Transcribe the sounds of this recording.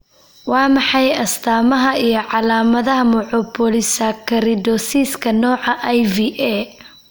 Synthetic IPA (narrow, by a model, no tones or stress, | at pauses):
wɑːmɑħɑjɐst̪ʰaːmɐɦɐijɞʕɑlaːmɐðɐɦɐmɔʕɔpʰɔlɪsɐkʰɐɾɪd̪ɔsiːskʰɐnɔːʕɑʔajviʔɛː